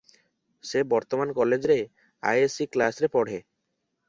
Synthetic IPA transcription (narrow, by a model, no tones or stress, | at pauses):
sebɔɾt̪omankɔled͡ʑɾe | a̰jesiklasɾepɔɽ̤e